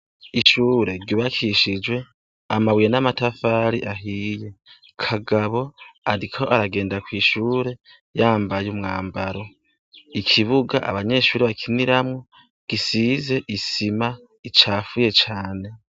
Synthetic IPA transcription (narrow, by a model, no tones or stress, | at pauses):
iʃuːɾe̞ɾɡiβakʰiʃid͡ʒwe̞ | amaβwijenamatafaːɾiʔaɦiːje̞ | kʰaɡaβo̞aɾikʰo̞ʔaɾaɡe̞ːndakwiːʃuːɾe̞ | jaːmbajumŋaːmbaɾo̞ | ikʰiβuɡaʔa̰βaɲe̞ːʃuːɾeβakʰiniɾamŋo̞ | ɡ̥isiːze̞ʔisima | it͡ʃaːfuje̞t͡ʃaːne̞